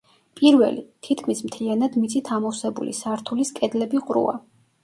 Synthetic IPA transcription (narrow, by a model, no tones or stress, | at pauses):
pʼiɾvɛ̰lḭt̪ʰit̪ʰkʰmismt̪ʰlianad̪mit̪sʰʼit̪ʰamɔfsɛbṵlḭsaɾt̪ʰuliskʼɛd̪lɛbiqʼɾṵa̰